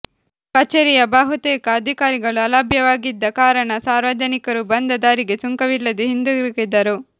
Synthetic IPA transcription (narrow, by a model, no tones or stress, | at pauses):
kɐt͡ʃːeɾijɐbaːɦut̪ɛːkɐːd̪ʱikaːɾiɡɐɭuɐlɐbʱjɐʋaːɡid̪ːɐkaːɾɐɳɐsaːɾʋɐd͡ʒ̪ɐnikɐɾubɐnd̪ʱɐd̪aːɾiɡesuŋkɐʋilːɐd̪eɦind̪uɾkid̪ɐɾu